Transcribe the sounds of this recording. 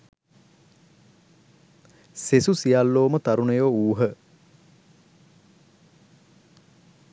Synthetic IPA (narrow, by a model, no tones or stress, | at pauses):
sesusijalːoːmət̪aɾunəjoːuːɦə